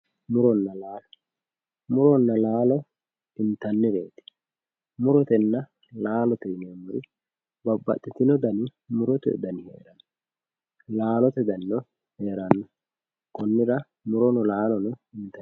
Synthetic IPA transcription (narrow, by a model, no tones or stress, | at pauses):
mʊɾɔnːɐlaːlɔ | mʊɾɔnːɐlaːlɔ | ɪnt̪ɐnːɪɾeːt̪ɪ̥ | mʊɾɔt̪ɛnːɐ | laːlɔt̪ɛnemʊɾɪ | bɐbːɐ̰t̪ʼːɪt̪ɪnɔd̪ɐnɪmʊɾɔt̪ɛ̰d̪ɐnɪhḛːɾɐnːɔ | laːlɔt̪ɛd̪ɐnːɔ | heːɾɐnːɔ | kɔnːɪɾɐ | mʊɾɔnɔlaːlɔnɔɪnt̪ɐ